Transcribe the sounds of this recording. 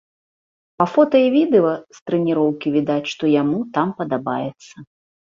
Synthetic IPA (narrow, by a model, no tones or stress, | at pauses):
pɐfɔt̪ɐjivʲid̪ɛɐst̪ɾɛnʲiɾɔwkʲivʲid̪at͡sʲʂt̪ɔjamut̪ampɐd̪aba̰jɛt̪sːɐ